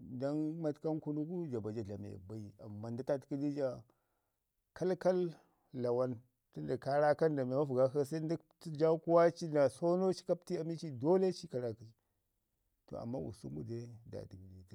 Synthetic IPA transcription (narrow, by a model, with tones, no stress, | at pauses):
da˦nma˦tka˦nku˦nu˦ku˦d͡ʒa˨ba˨d͡ʒa˦ɮa˨mḛ˨ba˨i˨a̰˨mːa˨nda˦ta˦tki˦di˦d͡ʒa˨ | ka˦lka˦lː | a˨wa˦n | ti˦n˦da˨ka˦ɾa˦ka˦nda˨me˨ma˦vu˨ɡa˦ka˦sa˦i˦ndi˦ | ti˦d͡ʒa˦ku˦wa˦t͡ʃi˦na˨so˦no˦t͡ʃi̥˦ka˦p̚ti˦a˨mi˦t͡ʃi˦do˦le˦t͡ʃi˦ka˨ɾa˨ki˨i˨˦ | to̰˨a̰˨mːa̰˦wṵ˨sṵ˦mṵ˦de˦da̰˨di˨ɡdi˨ti˦